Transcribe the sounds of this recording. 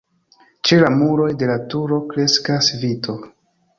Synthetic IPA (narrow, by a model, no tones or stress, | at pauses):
t͡ʃe̞lamuɾo̞jde̞latuɾo̞kɾe̞skasvitʰo̞